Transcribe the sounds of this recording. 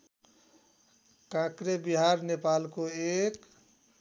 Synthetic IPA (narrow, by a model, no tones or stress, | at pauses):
kãkɾebiɦaɾnepalkoek